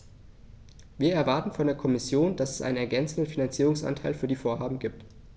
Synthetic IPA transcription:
viːɐɛɐvaɐtn̩fɔndeːɐkʰɔmɪsjoːnd̥asɛ̥sʔa̰ɪnənɛɐɡɛnt͡sn̩dən̩finant͡siːʁʊŋsʔa̰ntʰaɪlfyːɐdiːfoːɐɦaːbm̩ɡiːp̚t

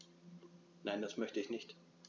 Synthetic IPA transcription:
naɪnd̥asmœçtəɪçnɪçt

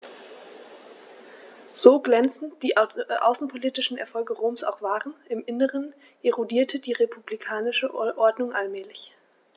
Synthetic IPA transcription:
z̥oːɡlɛnt͡sn̩td̥iːʔa̰ʊsn̩pʰoliːtɪʃn̩ɛ̰ɐfɔlɡəʁoːmsa̰ʊxv̥aːʁənɪmʔɪnəʁ̞ən | ʔeʁodiːɐtʰədiːʁepʰublikʰaːnɪʃəʔɔɐdnʊŋʔalmɛːlɪç

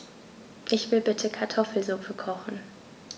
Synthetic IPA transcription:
ʔɪçv̥ɪlbɪtʰəkʰaɐtʰɔfl̩zʊfəkʰɔχn̩

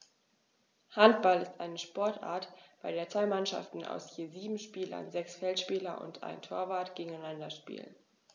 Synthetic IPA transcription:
hant̚b̥alɪstʔaɪnəʃpɔɐtʔa̰ːɐtb̥aɪɾeːɐt͡sv̥aɪmanʃa̰ftn̩a̰ʊsjiːziːbm̩ʃpiːlɐ̰nzɛksfɛltʃpiːlɐnʔʊ̰ntʰʔa̰ɪntʰoːɐvaːɐtɡ̥eːɡŋ̩aɪnandɐʃpḭːlə̰n

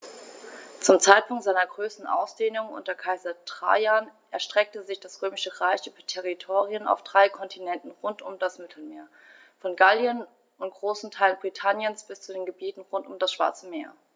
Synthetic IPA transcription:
t͡sʊmt͡saɪt̚pʊŋtz̥aɪnɐɡʁøːsn̩ʔa̰ʊsd̥eːnʊŋʔʊ̰ntɐkʰaɪzɐtʁ̥a̰anʔɛɐʃtʁ̥ɛk̚təzɪçd̥asʁ̥øːmɪʃəʁaɪçyːbɐtʰɛʁitʰoːʁiʊna̰ʊfd̥ʁaɪkʰɔntʰinɛntn̩ʁʊntʊmdasmɪtʰl̩meːɐ | fɔnɡaljən | ʊnt̚ɡ̥ʁoːsn̩tʰaɪlənbʁitʰanjənsb̥ɪst͡sudeːnɡəbiːtn̩ʁʊntʊmdasʃv̥a̰ɐt͡səmeːɐ

